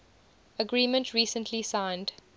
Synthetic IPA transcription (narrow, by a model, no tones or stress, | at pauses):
əɡɹĩːmə̃ntʰɹiːsə̃ntʰlisãɪ̃nd